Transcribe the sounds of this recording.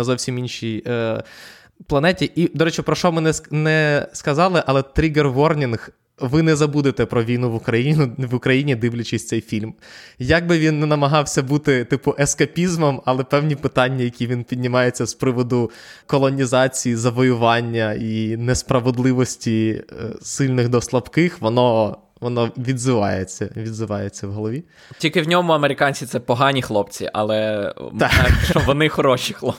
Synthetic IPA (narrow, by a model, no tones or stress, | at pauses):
ɐzɔwsʲiminʃʲij | plˠɐnɛtʲiʔid̪ɔɾɛt͡ʃɪpɾɔʃɔmɪnɛnɛskɐzɑlˠɪʔɐlˠɛt̪ɾʲiɡɛrɦɔrnʲinɣ | ʋɪnɛzɐbud̪ɪt̪ɛpɾɔʋʲinʊʋʊkɾɐjinʊʋʊkɾɐjinʲid̪ɪwlʲʊt͡ʃɪsʲt̪ɛjfʲilʲmjɐɡ̚bɪʋʲinːɛnɐmɐɦɑwsʲɐbut̪ɪt̪ɪpʊʔɛskɐpʲizmɔmɐlˠɛpɛwnʲipɪt̪ɑnʲːɐjɐkʲiʋʲinpʲidʲnʲɪmɑjet͡sʲːɐspɾɪʋɔd̪ʊ | kɔlˠɔnʲizɑt͡sʲijizɐʋɔjʊʋɑnʲːɐinɛspɾɐʋed̪lˠɪʋɔsʲtʲḭ | sɪlʲnɪxd̪ɔslˠɐbkɪxʋɔnɔ | ʋɔnɔʋʲid̪zɪʋɑ̰jet͡sʲːɐʋʲid̪zɪʋɑjet͡sʲːɐwɦɔlˠɔʋʲi | tʲilʲkɪwnʲɔmʊɐmeɾɪkɑnʲt͡sʲit̪sɛpɔɦɑnʲixlˠɔpt͡sʲḭʔɐ̰lˠɛt̪t͡ʃt͡ʃɔʋɔnɪxɔɾɔʃʲixlˠɔ